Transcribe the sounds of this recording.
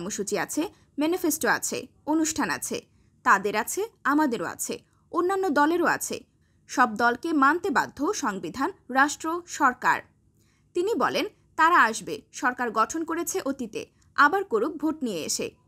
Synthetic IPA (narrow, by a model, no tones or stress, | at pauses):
ɾmoʃut͡ɕiat͡ɕʰe | mɛnifesʈoa̰t͡ɕʰḛonuʃʈʰana̰t͡ɕʰḛ | t̪ad̪eɾat͡ɕʰeamad̪eɾoa̰t͡ɕʰḛ | onːanːod̪ɔleɾoa̰t͡ɕʰḛ | ʃɔb̚d̪ɔlkemant̪eba̰d̪ʱːoʃɔŋbid̪ʱanɾaʃʈɾoʃɔɾka̰ɾ | t̪inibɔlen | t̪aɾaaʃbeʃɔɾkaɾɡɔʈʰonkoɾet͡ɕʰeʔot̪it̪ḛ | abaɾkoɾuk̚bʱoʈnijeḛʃḛ